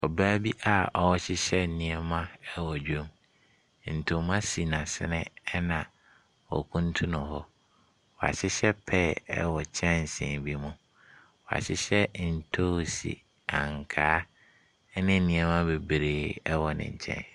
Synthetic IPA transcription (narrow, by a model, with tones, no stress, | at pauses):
ɔ˨baː˦bi˦ʔa˨ɔ˨wɔ˦ɕɪ˦ɕɛ˦nĩ˨ɛ˨mã˦ɛ˦wɔ˨d͡ʑᶣõ˦m | n̩˨tʰʊ˨mã˦si˨nã˨sɪ̰˦nɪ̃˦ɛ˦nã˨ | ɔ̰˨kʰũ˦n˦tʰũ˦nʊ̃˨hɔ˦ | wɔ˨a̰˨ɕɪ˦ɕɛ˦pʰɛ˦˨ɛ̰˦wɔ˨t͡ɕʰɛ̃˦n˨sɪ̰̃ː˨nbi˦mũ˨ | wɔ˨a̰˨ɕɪ˦ɕɛ˦n̩˨tʰo˦˨sḭ˨ | ã̰˨ŋkʰaː˦ | nɪ̃˦nĩ˨ɛ˦mã˦be˨bɾeː˨ɛ˦wɔ˨nɪ̰̃˨ɲ˨t͡ɕʰɛ̰̃˦n